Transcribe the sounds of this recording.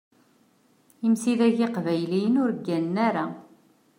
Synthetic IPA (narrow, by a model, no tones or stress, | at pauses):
imsiðæʝɪqvæjlijənʊɾəɡːænnæɾa